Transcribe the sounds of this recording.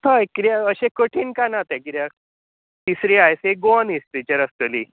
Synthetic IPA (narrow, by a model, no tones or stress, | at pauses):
t̪akiɾjaəɕẽkəʈʰiːnkanat̪ẽkiɾja | t̪isɾiajseɡoənist̪it͡ɕəɾəst̪əli